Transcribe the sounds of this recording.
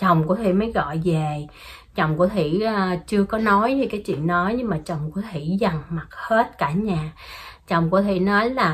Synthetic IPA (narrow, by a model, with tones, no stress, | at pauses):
t͡ɕə˨˩wŋ͡mku˧˥ət̪ʰḭ˧˩məː˨˦jɣɔ̰˧˨jve˨˩ | t͡ɕə˨˩wŋ͡mku˧˩ət̪ʰḭ˧˩˥t͡ɕɨ˧əkɔ˨˦nɔ˨˦jve˨˩kaː˨˦jt͡ɕḭ˧˨nːɔ˨˦jɲɨ˧ŋmaː˨˩t͡ɕə˨˩wŋ͡mku˨˦t̪ʰḭ˧˩˥za˨˩ŋma˨˩t̚he˦˥t̚kaː˧˩ɲaː˨˩t͡ɕə˨˩wŋ͡mku˧˦ət̪ʰḭ˧˥nɔ˨˦jlaː˨˩